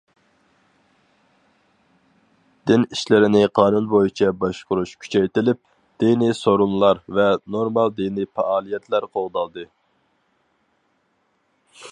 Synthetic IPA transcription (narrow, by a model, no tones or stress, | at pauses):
d̪̥ɪniʃlɪɾɪnɪqʰɑːnunbojit͡ʃʰɛbɑʃqʊɾuʃkʲʰy̥t͡ʃʰɛjt̪ɪlɪp̚ | d̪̥inisoɾunlˠɑɾvɛnoɾmɑlˠd̪inipɑʔɑːlˠijɛt̪ʰlæɾqʰolˠd̪ɑlˠd̪ɨ